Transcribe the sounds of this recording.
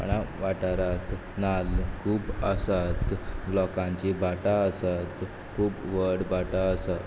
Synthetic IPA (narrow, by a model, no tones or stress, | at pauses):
pə̰ɳaʋaʈaɾat̪ | nalkʰuːpəsat̪lɔkãɲt͡ɕibaʈaəsat̪ | kʰuːpʋəɽbaʈaəsat̪